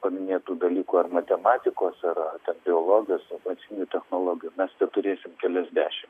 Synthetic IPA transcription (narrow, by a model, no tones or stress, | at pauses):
pɐmʲɪnʲeːt̪uːd̪ɐlʲiːkuːɐrmɐt̪ʲɛmɑːt̪ʲɪkoːsɐɾɐt̪ʲɛnbʲɪoːlˠoːɡʲɪjoːsmɐt̪sʲɪnʲuːt̪ʲɛxnoːlˠoːɡʲɪjuːmʲɛst̪ʲɛt̪ʊɾʲeːsʲɪmkʲɛlʲɛzʲd̪ʲæːʃʲɪm